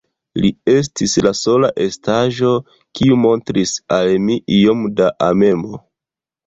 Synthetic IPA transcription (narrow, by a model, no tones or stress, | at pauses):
lie̞s̬tislaso̞laʔe̞staʒo̞ | kiumo̞ntɾisalmiʔijo̞mdaʔame̞mo